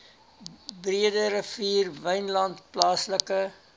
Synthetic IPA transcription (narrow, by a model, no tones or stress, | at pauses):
briədəɾəfiːrvəjnlɐnt̚plɑːsləkə